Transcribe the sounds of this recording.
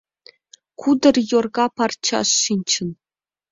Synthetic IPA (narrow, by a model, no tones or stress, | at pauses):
kud̪ɤ̆rjorɡɑpɑrt͡ɕːɑ̰ʂːinʲt͡ɕɘ̆n